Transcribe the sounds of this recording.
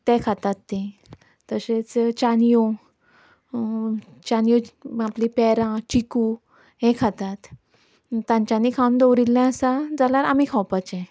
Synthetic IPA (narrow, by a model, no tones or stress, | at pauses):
t̪ɛ̃kʰat̪at̪ːẽ | t̪əset͡st͡ɕanijo | t͡ɕanijoaplipɛɾãt͡ɕiku | ɦɛ̃kʰat̪at̪ | t̪ːãɲt͡ɕaniːkʰawnd̪owɾilːɛ̃əsad͡zalaɾamikʰawpat͡ɕɛ̃